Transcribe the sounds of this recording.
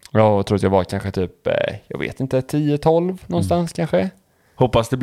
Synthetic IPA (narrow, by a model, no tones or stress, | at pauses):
jɑːɾʊɾat̪jaːɡvaɾkʰanɧət̪ʰyːpjɑ̰ːɡvḛːt̪ɪnt̪ət̪ʰiːət̪ʰɔlvnɔnːst̪anskʰanɧə | hɔpːasd̪ɛb